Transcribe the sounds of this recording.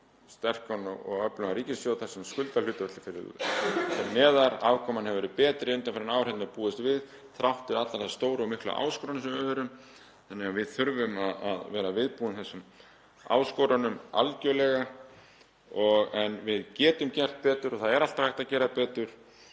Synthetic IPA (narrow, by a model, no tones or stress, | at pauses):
st̪ɛr̥kanɔɣɔ̰ɣœplʏaɾiːcɪsjowθaɾ̥sɛmskʏlt̪alʏt̪ʏvɛht̪ɪfɪɾɪ̰fɪɾnɛːðaɾa̰ːvkʰɔmanhɛvɛɾʏpɛːt̪ɾɪɪnt̪̬amfɪɾɪnaːwɾɛt̪nɪɾpuːɪst̪vɪð | θɾawht̪ɪɾat̪laɾðast̪oːwɾɔmɪhkla̰ʔa̰ːwskɔwɾanʏsɛmɛvɛɾʏm | θanːɛɣavɪðθʏɾvʏmaðaðvɛːɾavɪðpuːʏmθɛsːʏm | a̰ːwskoːwɾanʏma̰lcœlɛɣa | ɔɣɛnvɪðcɛːt̪ʏmcɛr̥t̪̚pɛːt̪ʏɾɔθaðɛɾal̥t̪ahajht̪acɛːɾapɛːt̪ʏɾ̥